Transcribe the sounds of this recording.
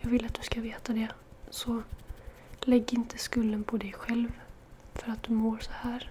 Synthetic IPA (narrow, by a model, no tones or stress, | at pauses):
jɑːɡvɪlːat̪̚d̪ɵskaveːt̪ad̪ɛsɔ | lɛɡːɪnt̪ʰəskɵlːənpʰɔd̪ɛjɧɛlv | fœɾat̪̚d̪̥ɵmoːɾsɔ̥hæːɾ